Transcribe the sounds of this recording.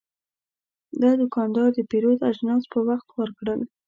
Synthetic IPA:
d̪ɑd̪ʊkɑnd̪ɑɾd̪əpeɾod̪aʒnɑzpəwaxt̪wəɾkɽəl

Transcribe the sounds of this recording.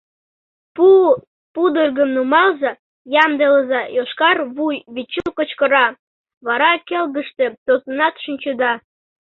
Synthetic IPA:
pu | pud̪ulʲɣəmnumɑlzɑ | jɑmd̪eləzɑjoʃkɑrβujβit͡ɕːukot͡ɕkəɾɑ | βɑɾɑkelɣə̆ʃt̪ĕt̪ozənɑt̪ʃinʲt͡ɕud̪ɑ

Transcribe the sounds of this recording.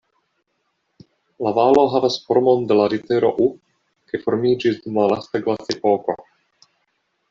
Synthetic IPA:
lavalo̞ɦavasfoɾmond̪elaɾit̪eɾʔoʔu | kefoɾmid͡ʒisd̪umlalast̪aɡlasepoko̰

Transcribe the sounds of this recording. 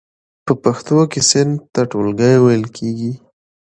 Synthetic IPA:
pəpaxt̪okesɪnd̪̚t̪aʈolɡəjwajəlkʰeɡi

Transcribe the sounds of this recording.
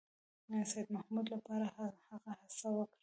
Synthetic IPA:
sajd̪mahmud̪lapɑɾahaɣahasawəkɽ

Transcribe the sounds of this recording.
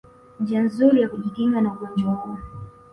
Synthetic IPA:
nd͡ʒianzuɾijakuʄikiŋɡanauɡɔnd͡ʒwahuɔ

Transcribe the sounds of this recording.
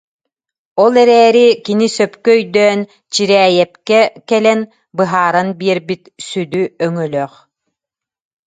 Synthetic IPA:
ɔlˠɛɾɛːɾikinisœpkœœjd̪œːn | t͡ɕiɾɛːjɛpkɛkɛlɛn | bɯɦaːɾanbiɛɾbit̪syd̪yœŋœlœːχ

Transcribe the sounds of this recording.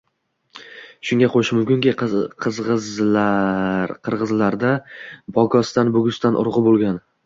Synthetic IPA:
ʃʊŋɡʲaqʰoʃɪmʊmkʲʊŋɡʲɪqʰɨzʁɨzlaɾqʰɨɾʁɨzlaɾd̪abɒɡɒst̪anbɵɡʲʊst̪anʔʊ̰ɾʁɨbolˠɡʲan

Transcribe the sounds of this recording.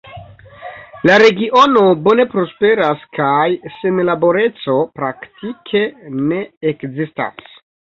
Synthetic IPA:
laɾe̞ɡiʔo̞no̞bo̞ne̞pɾo̞spe̞ɾaskajsenlabo̞ɾe̞t͡so̞pɾaktikʰe̞ne̞ekzista̰s

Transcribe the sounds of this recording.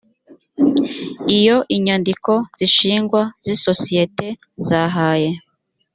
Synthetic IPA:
ijo̞ʔiɲandiko̞z̥iʃiːŋɡwaz̥iso̞sije̞te̞ | zaɦaːje̞

